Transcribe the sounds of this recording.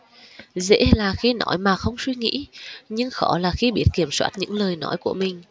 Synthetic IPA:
zḛ˧˥laː˨˩xi˧nɔ˧˦jmaː˨˩xə˧wŋ͡mswi˧ŋḭ˧˥ɲɨ˧ŋxɔ˧˩˦laː˨˩xi˧ɓi˦˥ət̚ki˧˩əmswaː˦˥t̚ɲɨ̰˧˥ŋləː˨˩jnɔ˧˦jku˧˩əmï˨˩ŋ̟

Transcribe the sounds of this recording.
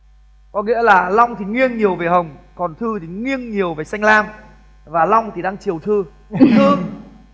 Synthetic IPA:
kɔ˨˦ŋḭ˧˥əlaː˨˩la˧wŋ͡mt̪ʰi˨˩ŋwi˧ənɲi˨˩əwve˨˩ɦə˨˩wŋ͡mkɔ˨˩nt̪ʰɨ˧t̪ʰi˨˩ŋwi˧ənɲi˨˩əwve˨˩sa˧jŋ̟laː˧m | vaː˨˩lɔ˧wŋ͡mt̪ʰi˨˩ɗaː˧ŋt͡ɕi˨˩əwt̪ʰɨ˧ | t̪ʰɨ˧

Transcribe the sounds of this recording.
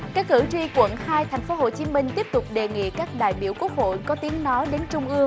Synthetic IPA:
kaː˦˥k̚ːɨ̰˧˩t͡ɕi˧kwə̰˧˨nhaː˧jt̪ʰa˨˩jŋ̟fo˨˦ɦo̰˧˨˩t͡ɕi˨˦mï˧ŋ̟t̪i˦˥əp̚t̪ʊ˨˩k͡p̚ɗe˨˩ŋḭ˧˨kaː˦˥k̚ɗa̰ː˧˨jɓi˧˩əwku˦˥ək̚ho̰˧˨jkɔ˨˦t̪i˨˦əŋnɔ˨˦ɗe˨˦nt͡ɕʊ˧ŋ͡mʔɨ˧əŋ

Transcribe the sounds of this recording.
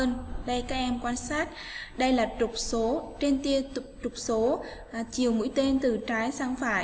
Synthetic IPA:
əː˧nɗə˧jkaː˦˥k̚ʔɛ˧mkwaː˧nsaː˦˥t̚ɗə˧jlaː˨˩t͡ɕʊ˨˩k͡p̚so˨˦t͡ɕe˧nt̪i˧ətt͡ɕʊ˨˩k͡p̚so˨˦˨ | t͡ɕi˨˩əwmṵ˧˥jt̪e˧nt̪ɨ˨˩t͡ɕaː˨˦jsaː˧ŋfaː˧˩j

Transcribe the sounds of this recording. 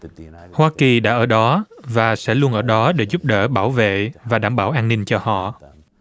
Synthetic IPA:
hwaː˧ki˨˩ɗa̰ː˧˥ʔəː˧˩ɗɔ˨˦vaː˨˩sɛ̰˧˥lu˧ənʔəː˧˩ɗɔ˨˦ɗe˧˩zʊ˦˥p̚ɗə̰ː˧˩ɓaː˧˩wvḛ˧˨vaː˨˩ɗaː˧˩˨mɓaː˧˩wʔaː˧nːï˧nt͡ɕɔ˧hɔ̰˧˨

